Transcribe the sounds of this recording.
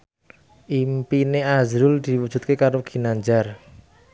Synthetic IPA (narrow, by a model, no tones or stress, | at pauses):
ʔimpineazɾʊld̪̥i̤wud̥ʒ̥ṳt̪̚kekaɾoɡ̥i̤naɲd͡ʒar